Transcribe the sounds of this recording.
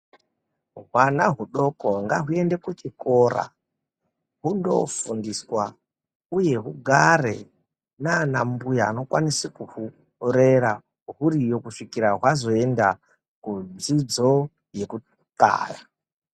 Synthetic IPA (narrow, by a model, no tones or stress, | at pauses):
ɦwanaɦuɗo̞ko̞ŋɡaɦue̞nde̞kut͡ʃiko̞ra̰ | ɦundo̞̰fundiswa | uje̞ɦuɡʱare̞ | nanambujaːno̞kwanisikuhu | re̞ɾa | ɦurijo̞kuʂikiɾaɦwazo̞e̞nda | kud͡zid͡zo̞ | je̞ku | ta̰ːja